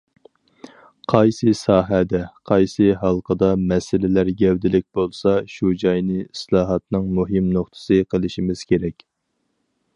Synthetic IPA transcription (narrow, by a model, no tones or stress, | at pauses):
qʰɑjsɨsɑːɦɛd̪ɛqʰɑjsɨɦɑlˠqʰəd̪ɑmɛsɪlɪlæɾɡʲɛwd̪ɪlɪk̚ʲb̥olˠsɑʃud͡ʒɑjnɨslˠɑːɦɑt̪nɨŋmuɦɨmnoχt̪ʰɨ̥sɨqʰəlˠɨʃimɪz̥kʲeɾɛkʲ